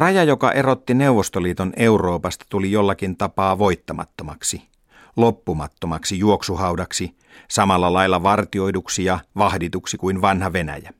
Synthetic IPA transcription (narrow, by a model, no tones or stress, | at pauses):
rɑjɑjokɑ̰ʔe̞ɾo̞t̪ːine̞uʋːost̪oliːt̪oneuro̞ːpɑst̪ɑ̥t̪ulijolːɑkint̪ɑpɑːʋo̞jt̪ːɑmɑ̰t̪ːomɑksi | lopːumɑt̪ːomɑksijuoksuhɑwdɑksi | sɑmɑlːɑlɑjlːɑʋɑrt̪io̞jduksijɑʋɑhdit̪uksikuinʋɑnhɑʋe̞næ̰jæ